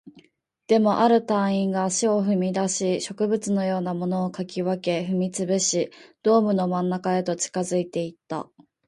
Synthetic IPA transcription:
d̪̥e̞mo̞ʔaɾɯ̟t̪ãɰ̃ĩŋɡaɕio̞ɸɯ̟mʲid̪aɕiɕo̞kɯ̟bɯ̟t͡sɨno̞jo̞ːnamo̞no̞ːkakʲiβake̞ɸɯ̟mʲit͡sɨbɯ̟ɕid̪̥o̞ːmɯ̟no̞mãnːakae̞t̪o̞t͡ɕi̥kazɨit̪e̞it̪ːa̰

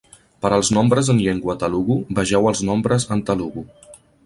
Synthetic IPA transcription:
pəɾəlˠznɔmbɾəzənʎeŋɡwət̪əluɣubəʒɛwəlˠznɔmbɾəzənt̪əluɣu

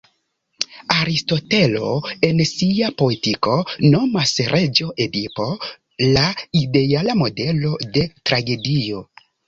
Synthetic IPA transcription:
aɾisto̞te̞lo̞̰e̞nsiapo̞etiko̞no̞masɾʔe̞d͡ʒo̞ʔedipo̞ | laide̞alamo̞de̞lo̞de̞tɾaɡe̞dio̞

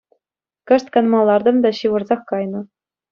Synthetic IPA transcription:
kɤ̆ʂt̪kɑnmɑlˠːɑrd̪ɤ̆md̪ɑɕiʋɤ̆rzɑχkɑjnɤ̆

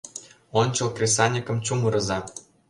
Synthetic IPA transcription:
onʲt͡ɕɤ̆lˠkrʲes̬ɑnʲikɤ̆mt͡ɕumɤ̆ɾɤ̆zɑ

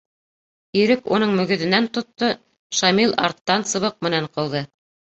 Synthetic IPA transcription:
iɾɘkunɤɴmɵ̆ɡɵ̆ðɘ̆nænt̪ŏt̪ːɤ | ʃɑmilˠɑ̰ɾt̪ːɑnsɤ̆βɤq̚mɘ̆næɴqŏlˠðɤ

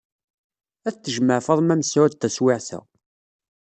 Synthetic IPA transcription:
æθt͡sːəʒməʕfəðˤmæmsawæt̪ːæswɪʕθæ̰

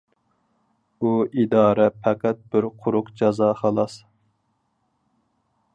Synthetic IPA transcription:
uid̪ɑːɾɛpʰɛqæt̪̚bɪɾqʰʊɾʊqd͡ʒɑzɑːχɑlˠɑs

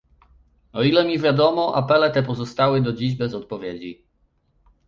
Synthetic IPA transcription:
ɔilɛmʲivʲjad̪ɔmɔʔa̰pɛlɛt̪ɛpɔzɔst̪awɘd̪ɔd͡ʑiʑbɛzɔt̪̚pɔvʲjed͡ʑi

